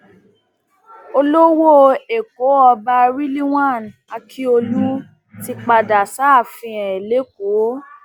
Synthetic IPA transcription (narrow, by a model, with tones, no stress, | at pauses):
o˧lo˦wo˦e˨ko˨˦ɔ˧ba˧ɾi˦li˦w̃ã˦˨na˧kʰi˦o˧lu˦ | ti˧k͡pa˧da˨sa˨˦˨fĩ˧ɛ̃˨e˨le˨˦ko˨˦